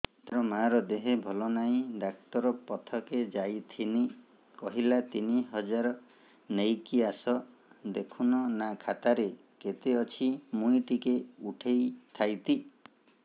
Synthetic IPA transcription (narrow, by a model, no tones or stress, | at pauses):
t̪ɾɔmaɾɔd̪eɦebʱɔlɔnaĩɖak̚t̪ɔɾɔpɔt̪ʰɔked͡ʒajt̪ʰini | kɔɦilat̪iniɦɔd͡ʒaɾɔ | nejkiasɔ | d̪ekʰunɔnakʰat̪aɾe | ket̪eɔt͡ʃʰimũjʈikeuʈʰejt̪ʰajt̪i